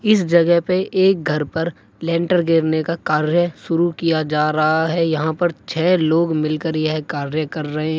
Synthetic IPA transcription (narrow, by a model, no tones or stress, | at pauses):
ɪsd͡ʒɐɡəɦpeʔeːk̚ɡʱɐɾpɐɾ | lɛ̃ːɳʈəɾɡeːɾnekakaːɾjəʃʊɾukijad͡ʒaːɾɐɦaɦɛjɐɦãpɐɾt͡ʃʰɛːloːɡmɪlkəɾjeɦkaːɾjəkɐɾːɐɦẽɦɛ̃